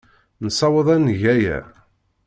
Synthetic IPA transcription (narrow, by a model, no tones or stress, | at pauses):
nsɑwəðˤænʝæjæ̰